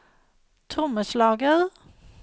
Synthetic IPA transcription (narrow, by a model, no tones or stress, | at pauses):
t̪ʰʊməslɑːɡəð